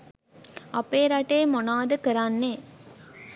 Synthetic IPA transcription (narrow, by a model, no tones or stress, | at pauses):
ɐpeːɾɐʈeːmonaːd̪əkəɾanːeː